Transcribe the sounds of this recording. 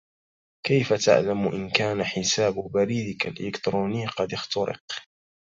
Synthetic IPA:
kajfat̪a̰ʕlamʔɪnkaːnaħɪsaːbʊbaɾiːd̪ɪkalʔɪlɪkt̪ɾuːnɪjːqɑd̪ɪxt̪ʊɾɪ̰q

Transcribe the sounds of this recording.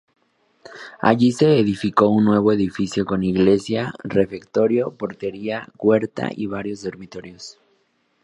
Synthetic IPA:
a̰ʝise̞ːðifiko̞unːwe̞β̞o̞eðifisjo̞ko̞niɣle̞sjare̞fe̞kt̪o̞ɾjo̞po̞ɾt̪e̞ɾiakwe̞ɾt̪a̰ʔiβaɾjo̞zðo̞ɾmit̪o̞ɾjo̞s

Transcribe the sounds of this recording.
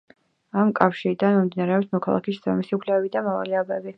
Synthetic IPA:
amkʼafʃiɾid̪anmimd̪inaɾɛɔpsmɔkʰalˠa̰kiszamisiukʰlɛɛbid̪amava̰liabɛbi

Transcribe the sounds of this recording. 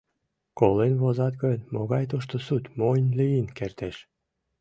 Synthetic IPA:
kolenβozɑt̪ɡɤnʲmoɣɑjt̪uʃt̪osut̪ʲmojnʲliinkert̪eʃ

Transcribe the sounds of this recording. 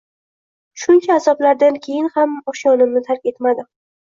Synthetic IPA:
ʃʊnt͡ʃʰaːzɒblaɾd̪ankʲʰe̞jɪnhamɒʃjɒnɪmnɪt̪ʰaɾkʲe̞t̪mad̪ɪ

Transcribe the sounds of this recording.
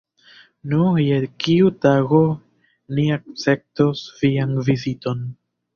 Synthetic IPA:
nujelkiutaɡo̞ | niak̚t͡se̞p̚tosvianvizito̞n

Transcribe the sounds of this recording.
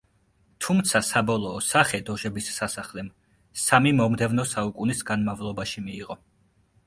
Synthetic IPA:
t̪ʰumt̪sʰasabɔlˠɔːsaχɛd̪ɔʒɛbisːasaχlɛm | samimɔmd̪ɛvnɔsaukʼunisɡanmavlˠɔbaʃimiːʁɔ

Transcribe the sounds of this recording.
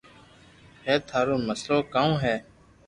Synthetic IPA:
ɦɛːt̪ʰaːɾoːməsloːkaːũːɦɛː

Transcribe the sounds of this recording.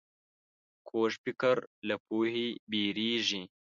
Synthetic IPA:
kʰoːʃpikɐɾlɐpuːhibiːɾiːʒi

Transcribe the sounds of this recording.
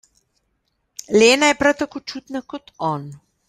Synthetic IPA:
leːnajɛpɾawt̪akoːt͡ʃuːt̪nakɔt̪ʰɔːn

